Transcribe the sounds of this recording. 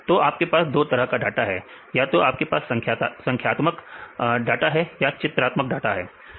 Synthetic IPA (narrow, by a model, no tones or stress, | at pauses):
t̪oːʔaːp̚kepaːsd̪oːt̪ɐɾəɦkaɖaːʈaɦɛː | jat̪oaːp̚kepaːsɐ̃k̪ʰːsɐ̃ŋkʰjaːt̪məkɖaːʈaɦɛjat͡ʃɪt̪ɾaːt̪mək̚ɖaːʈaɦɛː